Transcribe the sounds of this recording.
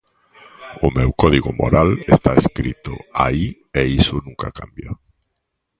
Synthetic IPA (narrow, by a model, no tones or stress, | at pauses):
ʊmewkɔðiɣʊ̰mo̰ɾalest̪aeskɾit̪ʊ̰ai | eisʊnũŋka̰kambja